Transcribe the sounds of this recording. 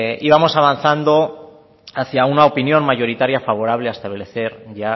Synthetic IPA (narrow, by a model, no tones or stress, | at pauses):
iβamo̞saβanθand̪o̞ | aθjaunaopinjo̞nmaʝo̞ɾit̪aɾjafaβ̞o̞ɾaβ̞le̞aest̪aβle̞θe̞ɾʝa